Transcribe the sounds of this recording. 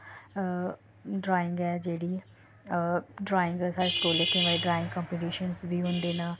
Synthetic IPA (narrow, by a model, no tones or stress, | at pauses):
ɖɾaːɪ̃ŋɡɛːd͡ʒeːɽiː | ɖɾaːɪ̃ŋɡəsaːsʈoːlːekʰːẽːbaːiɖɾaːɪ̃ŋɡkɔ̃mpeʈiːʃənzbiːɦʊ̃nd̪eːnaː